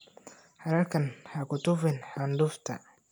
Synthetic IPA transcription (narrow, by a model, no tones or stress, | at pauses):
ħaɾɐɾkʰɐnħakʊt̪ʊfɪnħand̪ʊft̪ʰɐ̰